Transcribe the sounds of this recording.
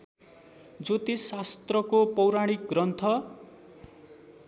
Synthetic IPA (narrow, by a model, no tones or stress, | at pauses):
d͡zot̪isast̪rʌkopʌwɾaɽ̃ikɡrʌnt̪ʰʌ